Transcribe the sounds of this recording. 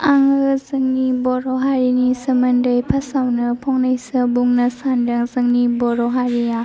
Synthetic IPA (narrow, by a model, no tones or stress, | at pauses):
aŋɯzɯŋnibɔɾɔɦaɾinisəmɯndəjpʰasawnɯpʰɔŋnajsɯbuŋnasandɯŋzɯŋnibɔɾɔɦaɾia